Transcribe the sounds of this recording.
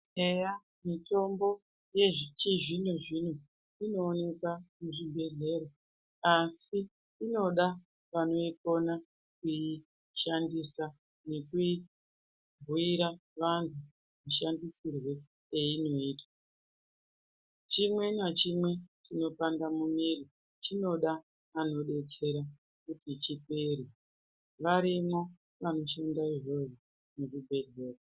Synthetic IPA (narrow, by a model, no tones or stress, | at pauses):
eja | mito̞mbo̞ | je̞ʐt͡ʃiʐinuʐin̤u | ino̞ːne̞kamuʐimbe̞ɮe̞ːɾo | asiː | no̞ɗa | ʋano̞iko̞na | kui | ʃandisa | ne̞kui | vuiɾaʋantʰu | miʃandisirwe̞ | eino̞iːtwa | t͡ʃimwe̞nat͡ʃimwe̞t͡ʃino̞pandamumiɾi | t͡ʃino̞ɗaː | no̞ɗe̞t͡se̞ɾa | kutit͡ʃipeːɾi | ʋaɾimo̞ | ʋano̞ʃendaiʐoro | nekubʱe̞dʱe̞ːko